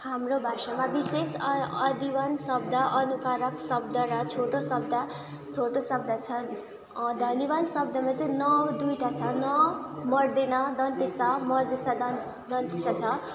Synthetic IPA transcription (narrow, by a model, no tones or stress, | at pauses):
hamrobʱasamabisesʌd̪iwʌnsʌb̚d̪ʱʌʔʌnukaɾʌksʌb̚d̪ʱʌɾʌt͡sʰoʈosʌb̚d̪ʱa | t͡sʰoʈosʌb̚d̪ʱʌt͡sʰʌ | d̪ʱʌniβansʌb̚d̪ʱʌmat͡sʌĩnʌwd̪ujʈat͡sʰʌnʌmʌrd̪enʌd̪ʌnt̪isʌmʌrd̪esad̪ʌn | d̪ʌnt̪isat͡sʰʌ